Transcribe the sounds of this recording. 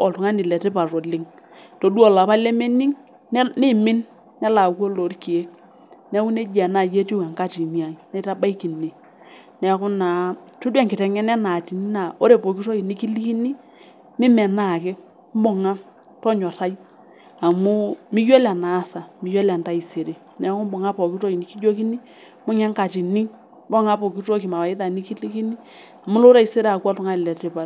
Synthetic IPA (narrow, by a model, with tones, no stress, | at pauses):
ɔ̰˨ltʊ˨ŋa˦nɪ˨lɛ˨te˦pa˨ro˨lɪ˦ŋ | to˨du˦ɔ˨la˨pa˦lɛ˦me˦ni˦ŋ˦ | nɪ˦mɪ˦n | nɛ˦la˨kwo˦lo˨˦rki˨e˦k̚ | nɛ˦ku˦ne˦d͡ʒa˨na˨je˦ti˦u˦ka˨ŋka˦˨ti˨mi˦a˨˦ne˦ta˦ba˦jki˨ni˨ | nɛ˦kʊ˦na˨tu˦dɛ˦˨ŋkɪ˨tɛ˨ŋɛ˦nɛ˦na˨ti˨ni˦na˨o˦ɾe˨po˨ki˦tɔ˦ki˨nɪ˦ki˦li˦ki˦ni˦ | mɪ˦mɛ˨na˨kɪ˦ | m˦bɔ˦ŋa˦ | tɔ˦ɲɔ˨ɾa˦j | a˨mʊ˦mɪ˦jɔ˦la˨na˨˦sa˨mɪ˨˦jɔ˦la˨nta˦i˨se˨ɾe˨ | nɛ˨˦kʊ˦mbɔ˨ŋa˦pɔ˨ki˦tɔ˦i˨ni˨ki˦d͡ʒo˦ki˦ni˦ | mʊ˦ɲɛ˦ŋka˨ti˨ni˦ | bɔ˦ŋa˦pɔ˨ki˦to˦kɪ˨ma˨a˨ɪ˦ta˨nɪ˦ki˦li˦ki˦ni˦ | a˨mʊ˦lo˦ɾa˦i˨se˦ɾe˦a˨kwa˦tɔ˦ŋa˦ɪ˨lɛ˨tɪ˦pa˨